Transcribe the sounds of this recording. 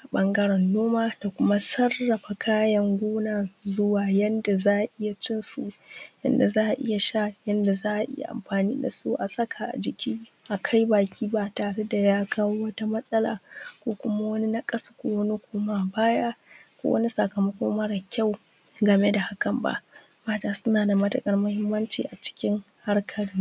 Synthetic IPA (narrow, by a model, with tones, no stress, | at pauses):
ʔa˨ɓɐ˦ŋɡɐ˦ɽɐ˨nːoː˦maː˦d̥a˨kʷʊ˦ma˦sɐ˦rːɐ˨ɸa˨kʰaː˦jɐ˨ŋɡʷuː˦naː˨zʊ˦waː˨jɐ˦nda˨zaː˦ʔʔɪ˦ja˨t͡ʃɪ˦nsu˨ʔjɐ̰˦nda˨zaː˦ʔa˨ʔɪ̰˦ja˨ʃa˦jɐ˦nda˨zaː˦ʔa˨ʔɪ̰˦ja̰˨ʔa̰˨mɸaː˨nḭː˦da˨sṵ˦ʔa˨sɐ˦kʰa˨ʔa̰˨d͡ʒɪ˨kʲiː˦ | ʔa˨kʰa˦jbaː˨kʲiː˦baː˨taː˨ɽe˦da˨jaː˦kʰaː˦woː˦wɐ˦ta˦mɐ˦sʼɐ˦la̰ː˨kʷoː˦kʷʊ˦ma˦wɐ˦ni˦na˦kʼɐ˦sḁ˦kʷoː˦wɐ˦ni˦kʷʰoː˦ma˦˨baː˦ja˦kʷo̰ː˦wɐ˦ni˦sa˨kɐ˨mɐ˦kʷoː˦mɐ˦ɽa˨kʲʰa˦˨w | ɡɐ˨me˦da˨ha˦kɐ˨mba̰˨ʔ | maː˦taː˦˨sʊ˦naː˨da˨mɐ˦tɐ˨kʼɐ˦rmʊ˦hɪ˦mːɐ˦nt͡ʃḭ˨ʔa˨t͡ʃɪ̥˦kʲɪ˦ŋ | ha˦rkʰɐ˨ɽɪ˦ŋ